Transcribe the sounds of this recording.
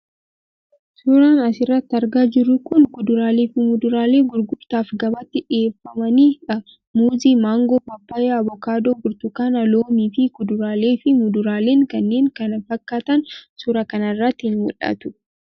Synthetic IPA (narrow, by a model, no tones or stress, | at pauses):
sʊɾaːnɐsɪrːɐt̪ːɐɾɡaːd͡ʒɪɾːʊkʊnkʊd̪ʊɾaːleːfɪmʊd̪ʊɾaːle̞ːɡʊɾɡʊɾt̪aːfɡɐbɐt̪ːɪᶑɪeːfːɐmɐniːɐ | muːziːmaːŋɡoːpɐpːaːjeɐbɔkaːd̪oːɡʊɾt̪ʊkaːnɐloːmiːfɪkʊd̪ʊɾaːle̞ːfɪmʊd̪ʊɾaːle̞ːŋkɐnːe̞ːŋkɐnɐfɐkːaːt̪ɐnsʊɾɐkɐnɐrːɐt̪ːɪhɪnmʊlʔɐ̰t̪ʊ̥